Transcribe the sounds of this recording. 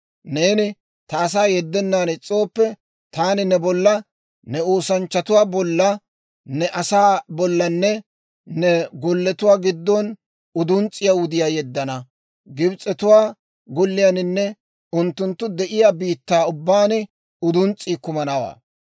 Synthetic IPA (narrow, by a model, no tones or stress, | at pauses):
neːnɪ | t̪ɐːs̬aːjɛd̪ːɛnːaːnɛt͡sʼo̞ːpːɛ | t̪aːnɪnɛbɔlːɐ | nɛoːsɐnt͡ʃːɐt̪ʊwaːbɔlːɐ | nɛʔɐsaːbɔlːɐnːɛ | nɛɡɔlːɛt̪ʊwaːɡɪd̪ːɔn | ʊd̪ʊnt͡sʼːɪjawʊd̪ɪjaːjɛd̪ːɐnɐ | ɡɪbt͡sʼɛt̪ʊwaː | ɡɔlːɪjanɪnːɛ | ʊnt̪ːʊnt̪ːʊd̪ɛʔɪjaːbiːt̪ːaːʊbːaːnɪ | ʊd̪ʊnt͡sʼːiːkʊmɐnɐwa̰ː